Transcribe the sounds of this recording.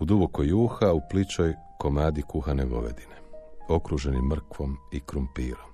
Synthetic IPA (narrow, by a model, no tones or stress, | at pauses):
ud̪ubo̞kojːuːxauplit͡ʃoj | ko̞maːd̪ikuxaneɡo̞̰ʋe̞̰d̪ineo̞kɾuʒe̞nimːr̩kʋo̞mikɾumpiːɾo̞m